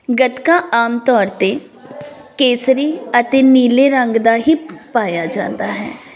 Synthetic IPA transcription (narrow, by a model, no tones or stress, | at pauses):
ɡət̪kaːʔaːmt̪ɔːɾt̪e | keːsɾiːət̪eːniːleːɾəŋɡd̪aːɦiːpaːjaːd͡ʒã̰ːnd̪aːɦɛ̰ː